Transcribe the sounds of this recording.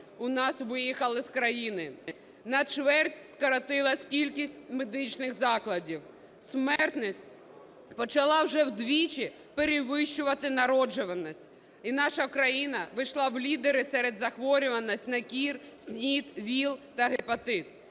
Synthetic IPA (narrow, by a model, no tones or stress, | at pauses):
ʊnɑsʋɪjixɐlˠɪskɾɐjinɪ | nɐt͡ʃʋɛrtʲskɐɾɐt̪ɪlˠɐsʲkʲilʲkʲisʲtʲmed̪ɪt͡ʃnɪxzɑklˠɐdʲiw | smɛrt̪nɔsʲt̚ʲ | pɔt͡ʃɐlˠɑwʒɛwd̪ʋʲit͡ʃi | peɾʲɪʋɪʃt͡ʃʊʋɐt̪ɪnɐɾɔd͡ʒʊʋɐnɔsʲtʲ | inɑʃɐkɾɐjinɐʋɪʃlˠɑwlʲid̪eɾɪsɛɾed̪zɐxʋɔɾʲʊʋɐnɔsʲtʲnɐkʲirsʲnʲit̪ʋʲilˠt̪ɐɦɪpɔt̪ɪt̪̚